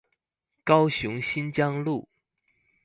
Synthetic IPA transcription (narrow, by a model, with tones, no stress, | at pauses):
kɑ˥ʊɕjʊ˧˥ŋɕi˥nt͡ɕjɑ˥ŋlu˥˩